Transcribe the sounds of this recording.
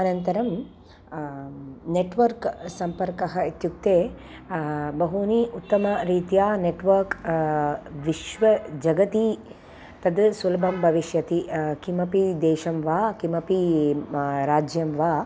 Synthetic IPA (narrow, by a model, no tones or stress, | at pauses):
ɐnɐnt̪ɐɾɐm | neʈʋɐɾksɐmpɐɾkɐɦɐit̪juk̚t̪eː | bɐɦuniʔut̪ːɐmɐɾiːt̪ijaːneʈʋɐɾk | ʋiʃʋɐd͡ʒɐɡɐt̪i | t̪ɐd̪sulɐbʱɐmbʱɐʋiʃjɐt̪ikimɐpid̪ɛːʃɐmʋaːkimɐpi | ɾaːd͡ʒjɐmʋaː